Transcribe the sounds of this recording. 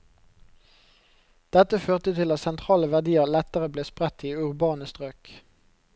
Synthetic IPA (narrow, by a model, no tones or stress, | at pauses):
d̪̥ɛt̪əføːʁt̪ət̪ʰɪlɑt̪sɛnt̪ʰʁɑːləʋæʁd̪iːəʁlɛt̪əʁəbleːspʁɛt̪iːʉʁbɑːnəst̪ʁøːk